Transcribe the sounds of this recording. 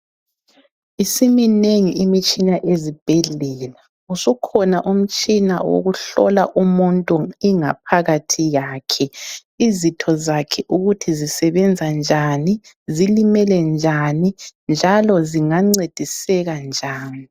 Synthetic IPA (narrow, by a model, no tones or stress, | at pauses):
isimineŋiimit͡ʃʼinaʔezib̥ʱeɮɛla | usukʰɔnaʔum̩t͡ʃʼina̰wo̰ɣuɬɔ̰laʔumuntʼuiŋa̰p̚ʰaɣatʰijaːkʰɛ | izitʰɔzakʰɛʔuɣutʰizisɛβɛnd͡zʱand͡ʒʱani | zilimɛlɛnd͡ʒʱanind͡ʒʱalɔziŋaŋ͡ǀed̥ʱisɛɣand͡ʒʱaːni